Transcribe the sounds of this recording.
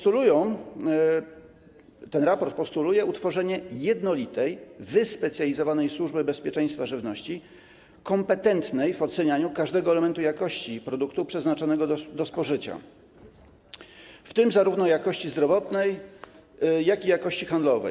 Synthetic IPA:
st̪ulujɔ̃w̃ | t̪ɛnɾapɔɾt̪̚pɔst̪ulujɛut̪fɔʐɛɲɛjɛd̪nɔlʲit̪ɛjvɘspɛt̪sʲjalʲizɔvanɛjswuʐbɘbɛspʲjɛt͡ʂɛ̃j̃st̪faʐɘvnɔɕt͡ɕi | kɔmpɛt̪ɛnt̪nɛjvɔt̪sɛɲaɲukaʐd̪ɛɡɔɛlɛmɛnt̪ujakɔɕt͡ɕipɾɔd̪ukt̪upʂɛznat͡ʂɔnɛɡɔd̪ɔspɔʐɘt͡ɕa̰ | ft̪ɘmzaɾuvnɔjakɔɕt͡ɕizd̪ɾɔvɔt̪nɛj | jːakijakɔɕt͡ɕixand̪lɔvɛ̰j

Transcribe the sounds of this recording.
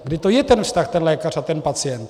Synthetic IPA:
ɡdɪt̪ojɛt̪ɛnfst̪axt̪ɛnlɛkarat̪ɛnpat͡sɪjɛnt̪

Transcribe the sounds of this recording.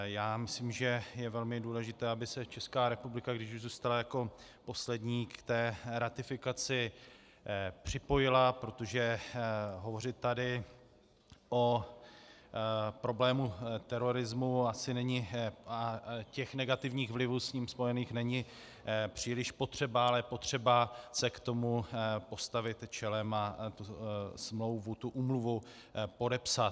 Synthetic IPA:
jaːmɪsliːmʒɛjɛvɛlmɪduːlɛʒɪt̪ɛːabɪsɛt͡ʃɛskaːɾɛpublɪkaɡdɪʃuʒzuːst̪alajako̞ | po̞slɛdɲiːkt̪ɛːɾat̪ɪfɪkat͡sɪ | pr̝̥ɪpo̞jɪlapɾo̞t̪o̞ʒɛ | ɦo̞vo̞rɪt̪ːadɪ | ʔo̞ | pɾo̞blɛːmut̪ɛɾo̞ɾɪzmuasɪnɛɲɪacɛxnɛɡat̪ɪvɲiːɣvlɪvuːsɲiːmspo̞jɛniːxnɛɲɪ | pr̝̥iːlɪʃpo̞t̪r̝̥ɛbaalɛpo̞t̪r̝̥ɛbasɛkt̪o̞mupo̞st̪avɪt̪t͡ʃɛlɛmat̪usmlo̞wvut̪uʔuːmluvu | po̞dɛpsat̪

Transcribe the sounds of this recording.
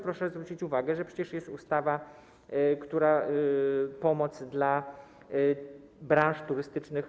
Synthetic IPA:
pɾɔʂɛzvɾut͡ɕit͡ɕuvaɡɛʐɛpʂɛ̥t͡ɕɛʂjɛst̪ust̪ava | kt̪uɾa | pɔmɔt̪zd̪la | bɾãw̃ʂt̪uɾɘst̪ɘt͡ʂnɘx

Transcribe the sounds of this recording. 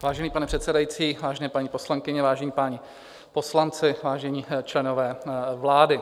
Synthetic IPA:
vaːʒɛniːpanɛpr̥ɛt̪sɛdajit͡siːvaːʒɛnɛːpaɲiposlaŋkɪɲɛvaːʒɛɲiːpaːɲɪ | po̞slant͡sɪvaːʒɛɲiːt͡ʃlɛno̞vɛːvlaːdɪ

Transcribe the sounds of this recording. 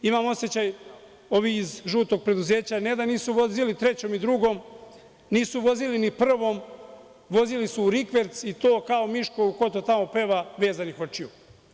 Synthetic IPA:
imamo̞sjet͡ɕaj | o̞ʋiːzʒuːt̪o̞ɡ̚pɾe̞d̪uze̞ːt͡ɕaned̪aniːsuʋo̞zilit̪ɾe̞t͡ɕo̞mid̪ɾuɡo̞m | niːsuʋo̞zilinipr̩ʋo̞m | ʋo̞zilisuːɾikʋe̞ɾt̪sit̪o̞ːkao̞miʃkouko̞t̪ot̪amo̞pe̞ːʋaʋe̞ːzanixo̞t͡ʃiju

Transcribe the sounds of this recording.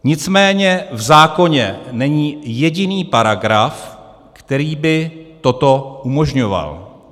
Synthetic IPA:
ɲɪt͡smɛːɲɛvzaːko̞ɲɛnɛɲiːjɛɟɪniːpaɾaɡɾaf | kt̪ɛɾiːbɪt̪o̞t̪o̞umo̞ʒɲo̞va̰l

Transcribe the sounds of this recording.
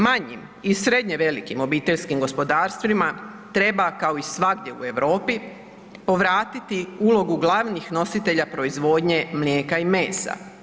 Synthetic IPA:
maɲḭm | isɾe̞d̪ɲe̞ʋe̞likimo̞biːt̪eʎskimɡo̞spo̞d̪aːɾst̪ʋima | t̪ɾe̞bakao̞isʋaɡd̪je̞ṵe̞ʋɾo̞ːpi | po̞ʋɾaːt̪it̪iulo̞ɡuɡlˠaʋnixno̞sit̪e̞ʎapɾo̞izʋo̞ːd̪ɲe̞mlje̞ːkaime̞ːsa̰

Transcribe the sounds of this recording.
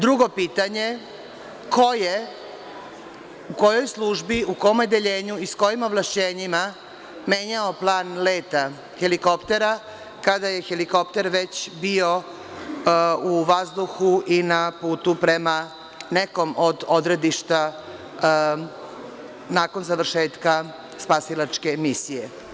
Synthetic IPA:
d̪ɾuɡo̞piːt̪aɲe̞ | kʰoje | uko̞jo̞jslˠuʒbiukomjed̪eʎe̞ːɲuisko̞jimoʋlˠaʃt͡ɕeːɲima | me̞ːɲaoplˠaːnle̞ːt̪a | xeliko̞pt̪e̞ɾa | kad̪aje̞xeliko̞p̚t̪e̞ɾʋe̞t͡ɕbio̞ | uʋazd̪uxuʔinapuːt̪upɾe̞ma | neko̞mod̪o̞d̪ɾe̞d̪iʃt̪a | naːko̞nzaʋr̩ʃe̞ːt̪ka | spasilˠat͡ʃke̞misije

